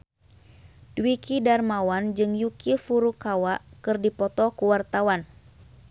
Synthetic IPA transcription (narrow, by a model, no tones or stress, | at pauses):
d̥wikidarmawand͡ʒɨŋjukifuɾukawaʔkɨrdipɔt̪ɔkuwart̪awan